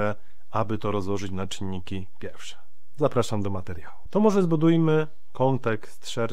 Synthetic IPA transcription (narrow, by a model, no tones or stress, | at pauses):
ɛ | abɘt̪ɔɾɔzwɔʐɘt͡ɕnat͡ʂɘɲːikʲi | pʲjɛɾfʂɛ̥ | zapɾaʂamd̪ɔmat̪ɛɾjawut̪ɔmɔʐɛzbud̪ujmɘ | kɔnt̪ɛkst̪ʂɛɾ